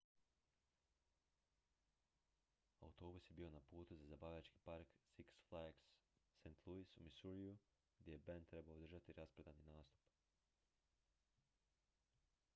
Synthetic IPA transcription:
a̰ut̪o̞ːbusje̞biːo̞napuːt̪uzazabaːʋʎat͡ʃki̥paɾksiksflaksːent̪ʰlˠuisumisuɾiu | ɡd̪ʲjejebent̪ɾe̞baoːd̪r̩ʒat̪iɾaspɾed̪aninaːst̪u̥p

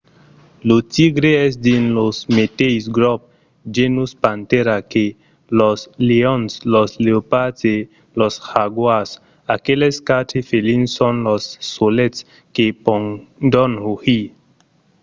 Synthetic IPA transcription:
lot̪iɡɾeɛsd̪inlosmet̪ejsɡɾɔp̚ | d͡ʒenuspant̪eɾake | lɔsleɔnslɔsleopate | lɔshaɡwas | akeleskatefelinsɔnlɔsːolets | kepɔŋdɔnhohi

